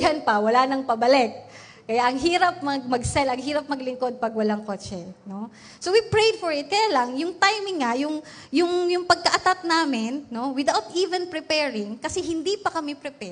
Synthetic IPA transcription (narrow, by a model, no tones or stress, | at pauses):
janpɐwɐlanɐŋpɐbɐlɛk̚ː | ɐjaʔɐŋɦiːɾɐp̚mɐɡ̚mɐɡsɛlɐŋɦiːɾɐp̚mɐɡlɪŋko̞d̪̚pɐɡwɐlaŋkoːt͡ʃɛno̞ | sowipɹejd̪fɔɹɪt̪̚kɐjaːlɐŋjʊŋt̪ajmɪŋːajʊŋ | jʊŋjʊŋpɐɡ̚kɐʔɐt̪at̪̚naːmɪnːo̞wɪd̪awt̪ʔiːvɛnpɹɪpɛɹɪŋkɐsɛɦɪnd̪ipɐkɐmɛpɾɪpɛ